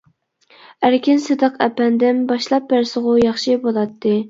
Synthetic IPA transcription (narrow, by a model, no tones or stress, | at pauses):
æɾkʲɪnsɨd̪əqæ̰pɛnd̪ɪmbɑʃlˠɑp̚bæɾsəʁʊjɑχʃibolˠɑt̪ʰːɨ